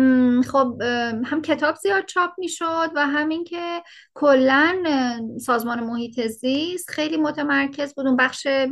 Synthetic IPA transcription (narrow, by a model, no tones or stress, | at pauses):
χobhæmcʰe̞t̪ʰɒːbzijɒːd̪̥̚t͡ʃʰɒːp̚ʰmiːʃod̪væɦæmiŋcʰe̞ | kʰolːænsɒːzmɒːnemohiːt̪ʰe̞zist̪xe̞jliːmo̞t̪ʰemæɾcʰe̞zbuːd̪unbæχʃe